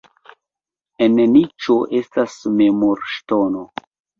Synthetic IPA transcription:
enenit͡ʃoʔe̞stasmemoɾʃtono

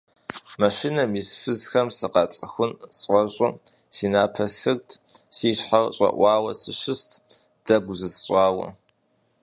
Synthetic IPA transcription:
mɐʃinɐmisfɨzxɐmsɨqɑːt͡sʼɐxʷʊnsʼɐɕʷʼʊ | siːnaːpʰɐɬɨrtʰsiːɕħarɕʼɐ̰ʔʷɑːwɐsɨɕɪstʰ | d̥ɐɡʷʊzɨsɕʷʼɑːwɐ̰

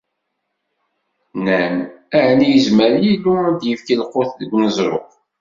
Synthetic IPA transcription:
næmæʕnijəzməɾjilːuæd̪jəfkilqoθɡnəzˤɾˤo̰q

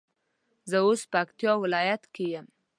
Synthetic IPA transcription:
zəospəakt̪jɑwɪlɑjat̪kejəm

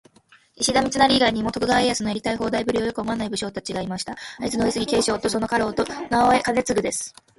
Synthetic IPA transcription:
iɕid̪amʲit͡sɨnaɾʲiːɡaiɲ̟imo̞t̪o̞kɯ̟ɡaejasɨno̞eɾʲit̪aiɦo̞ːd̪aibɯ̟ɾʲio̞jo̞kɯ̟omoanaibɯ̟ɕo̞ːt̪at͡ɕiɡaimaɕi̥t̪aait͡sɨnoisɨɡʲike̞ːɕo̞ːt̪o̞so̞no̞kaɾo̞ːt̪o̞naoekane̞t͡sɨɡɯ̟d̪e̞sɨ̥

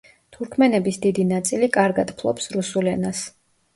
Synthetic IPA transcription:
t̪ʰuɾkʰmɛnɛbisd̪id̪inat̪sʼilikʼaɾɡad̪pʰlˠɔ̰psɾusulɛnas

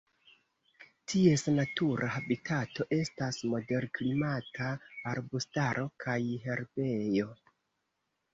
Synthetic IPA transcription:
tʰie̞snatuɾʔahabitʰato̞ʔe̞stasmo̞de̞ɾklimataːɾbustaɾʔo̞kʰajɦe̞ɾbe̞jo̞

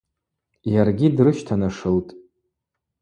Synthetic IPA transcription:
jarɡʲidrɨʃtʰanaʂɨltʼ

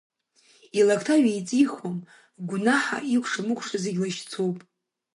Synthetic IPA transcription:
ilakʰʼtʰaɥajt͡sʼiχom | ɡʷnaħa̰ikʷʰʂamɨkʷʰʼʂazeɡʲlaʃt͡sʰowpʼ

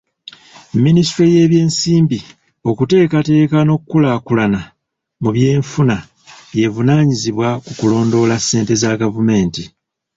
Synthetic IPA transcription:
mːinistɾije̞βje̞ːnsiːmbi | o̞kute̞ːkate̞ːkano̞kːulakulana | muβje̞ːɱfuna | βje̞vunaːɲiziβwakukulo̞ːndo̞lasːe̞ːnte̞zaɡavume̞ːnti

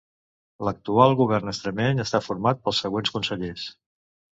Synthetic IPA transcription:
lək̚t̪ualˠɣuβɛrnəst̪ɾəmɛɲəst̪afuɾmat̪̚pəlˠsːəɣwenskunsəʎes

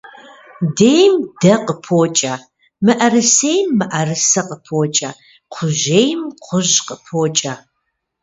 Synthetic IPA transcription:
dejmdɐqəpʰoːt͡ʃʼɐ | mɨʔɐrɨsejmːɨʔɐrɨsɐqəpʰoːt͡ʃʼɐ | qʷʰʊʒejmqʷʰʊʑqəpʰoːt͡ʃʼɐ

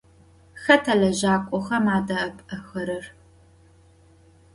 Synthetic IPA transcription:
xɐtʰɐlɐʑaːkʷʼɔxɐmaːdɐɐpʼɐxɐɾɨr

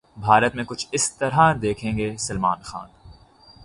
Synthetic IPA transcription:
bʱaːɾət̪mẽkʊt͡ʃʰɪst̪ɐɾɦãd̪eːkʰẽːŋɡeːsɐlmaːnxa̰ːn

